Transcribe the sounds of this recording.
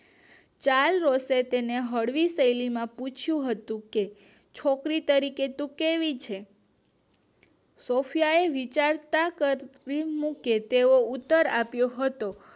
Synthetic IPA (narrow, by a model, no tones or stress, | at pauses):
t͡ʃalɾoset̪eneɦəɽʋisəjlimãput͡ʃʰjũɦət̪ũke | t͡ʃʰokɾit̪əɾiket̪ũkeʋit͡ʃʰe | sofʰjaeʋit͡ʃaɾt̪akəimũket̪eout̪ːəɾapjoɦət̪o